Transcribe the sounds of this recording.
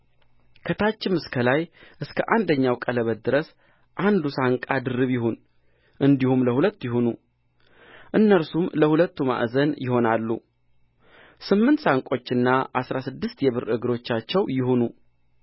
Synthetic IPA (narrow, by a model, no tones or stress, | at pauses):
kʰət̪ʰat͡ʃːɪmɨskʰəlajʔɨskʰəʔand̪əɲːawkʼələβəd̪ɨɾəs | ʔand̪usaŋkʼad̪ɨɾːɨβjɪɦon | ʔɨnd̪ihumləhulət̪ːjɪɦonu | ʔɨnːəɾsumləhulət̪ːuma̰ʔzənjɪɦo̞nalːṵ | sɨmːɨnt̪saŋkʼo̞t͡ʃːɨnːaʔasɾasɨd̪ːɨst̪jɛβɨɾɨɡɾo̞t͡ʃːat͡ʃːɛwjɪhonu